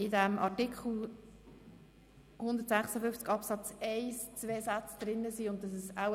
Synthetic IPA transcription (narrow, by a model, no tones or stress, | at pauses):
ɪdæmʔɑ̰tɪkχl̩ˠ | hʊnd̪ətsæχsəfʏft͡skɑpsɑt͡sɛɪst͡sveːsat͡sd̥̪ɾɪnːəsiʊnt̚dɑsɛsaw